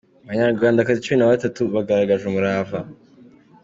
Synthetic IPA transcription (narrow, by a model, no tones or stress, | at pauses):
aβaɲaɾɡwaːndakazit͡ʃuminaβatatuβaɡaɾaɡaʒumuɾaːva